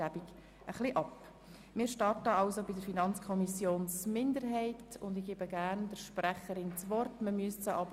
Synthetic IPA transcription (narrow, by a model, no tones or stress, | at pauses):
æbiɡ | əχliʔɑp | mɪːɾʃtɑrtəɑʊsobidəɾfinɑnt͡skʰɔmisjoːnsmɪndəɾɦɛɪtʊndɪɡ̥eːbəɡæːɾnd̥əɾʃpræχəɾɪnt͡sʋɔrtməmyəst͡səʔɑbə